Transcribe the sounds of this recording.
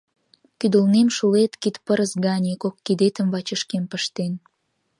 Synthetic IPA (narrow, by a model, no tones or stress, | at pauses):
kyd̪ə̆lnemʃulet̪kit̪pəɾəsɡɑnʲekokːid̪et̪ə̆mβɑt͡ɕəʃkempəʃt̪en